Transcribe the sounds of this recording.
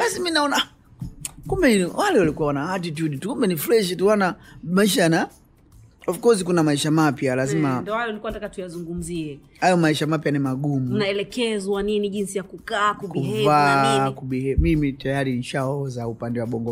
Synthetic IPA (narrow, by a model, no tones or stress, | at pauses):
lasiminaɔna | kumbɛiiwalɛwalikuwawanaat̬it̬juɗitukumbɛniflɛʃituwanamaiʃ̬ajana | ɔfukɔzikunamaiʃamapjalazimandɔhajɔulikuantakatujazuŋɡum̩ziɛ | hajɔmaiʃamapjanimaɠumunaɛlɛkɛzwaniniʄinsijakukaːkukuvakuɓiɛmimitajaɾiniʃaɔzaupandɛwaɓɔŋɡɔ